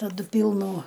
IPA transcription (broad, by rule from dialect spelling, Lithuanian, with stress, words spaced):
tɐˈdʊ ˈpʲiːlˠnuː